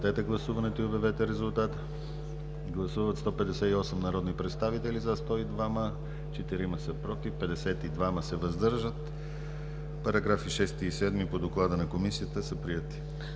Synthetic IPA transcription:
t̪ɛt̪ɛɡlˠɐsuvɐnɛt̪oiobɛvɛt̪ɛɾɛzulˠt̪at̪ə | ɡlˠɐsuvət̪st̪ɔpɛd̪ɛsɛt̪iɔsɛmnɐɾɔd̪nipɾɛt̪st̪avit̪ɛlizɐst̪ɔid̪vamə | t͡ʃɛt̪iɾiməsəpɾɔt̪ifpɛd̪ɛsɛt̪id̪vaməsɛvɐzd̪ɤɾʒət̪ | pɐɾɐɡɾafiʃɛst̪iːsɛd̪mipod̪oklˠad̪ənɐkomisiət̪əsəpɾiɛt̪i̥

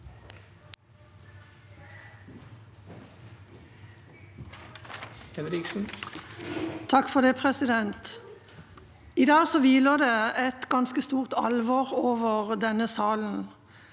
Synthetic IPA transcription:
hɛnɾɪksn̩ | t̪ʰɑkfɔʁd̪eːpʰʁɛsɪd̪ɛnt̪ | iːd̪ɑːɡsɔːʋiːləʁd̪eːɛt̪ɡɑnskəst̪uːʁt̪ɑ̰lʋoːʁoːʋəʁd̪ɛnəsɑːln̩

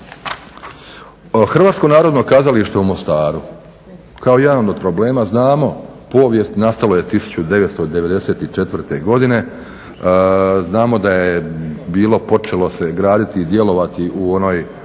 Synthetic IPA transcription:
xrʋaːt̪ko̞naːɾo̞d̪no̞kazaliʃt̪eumost̪aːɾu | kao̞jed̪anod̪od̪̚pɾo̞ble̞ːmaznaːmo̞po̞ːʋje̞st̪inast̪aloje̞t̪isu̥t͡ɕud̪e̞ʋet̪st̪o̞d̪e̞ʋe̞d̪e̞se̞ːt̪it͡ʃe̞t̪ʋr̩t̪e̞ɡo̞d̪ine̞ | znaːmo̞d̪ajebiːlˠo̞po̞t͡ʃe̞lo̞se̞ɡɾaːd̪it̪iːd̪je̞lo̞ʋat̪iʔuo̞no̞j

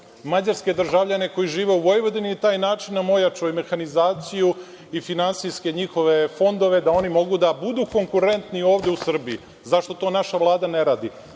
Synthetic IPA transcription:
mad͡ʑaɾske̞d̪r̩ʒaʋʎane̞ko̞jiʒiːʋe̞uʋo̞jʋo̞d̪init̪aːjnaːt͡ʃinːamo̞jat͡ʂojme̞xanizaːt̪siju | ifinansijske̞ɲixo̞ʋe̞fo̞nd̪o̞ʋe̞d̪ao̞nimo̞ɡud̪abud̪uːko̞ŋkuɾe̞nt̪nio̞ːʋd̪eusr̩bii | zaʃt̪o̞t̪o̞ːnaʃaʋlˠaːd̪aneɾaːd̪i

